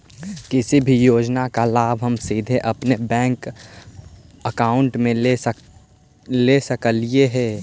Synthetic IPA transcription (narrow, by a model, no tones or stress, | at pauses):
kɪsibʱijoːd͡ʒnakalaːbʱɦəmsiːd̪ʱeʔɐpnebɛ̃ːŋk | əkaːʊɳʈmẽ | lesəkəlieɦɛː